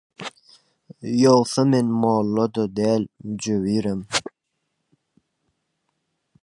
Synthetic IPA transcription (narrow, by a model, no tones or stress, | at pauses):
jolˠθɑmenmoːlˠːɑd̪ɑd̪æːlmd͡ʒøβiːɾem